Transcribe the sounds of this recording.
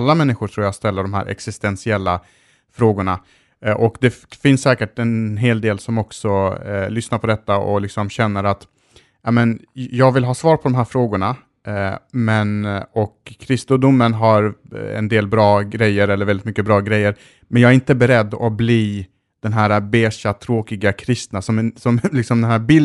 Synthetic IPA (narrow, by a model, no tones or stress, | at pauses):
lːamɛnːɪɧʊʈʰɾuːjast̪ɛlːəɖɔmɦæ̰ːɾʔɛ̰ksɪst̪ɛnsɪɛlːa | fɾoːɡʊɳa | ʔɔkd̪ɛfɪnsːɛːkəʈɛnɦeːld̪eːlsɔmɔksɔlʏsnaɾpʰɔd̪ɛt̪ːaɔ̰lɪksɔmɕɛnːəɾat̪ | jɑmɛn | jɑːɡvɪlɦɑːsvɑːɾpʰɔd̪ɔmɦæːɾfɾoːɡʊɳa | mɛnɔkʰːɾɪst̪ʊd̪ʊmːənɦaɾɛ̰nd̪eːlbɾɑːɡɾɛjːəɾɛlːəɾvɛld̪ɪt̪mʏkːəbɾɑːɡɾɛjːəɾ | mɛnjɑɡæɾɪnt̪əbɛɾɛd̪ːɔbliː | d̪̥ɛnɦæːɾabeːʂat̪ʰːɾoːkɪɡakʰɾɪst̪nasɔmsɔmlɪksɔmd̪ɛnɦæːɾbɪ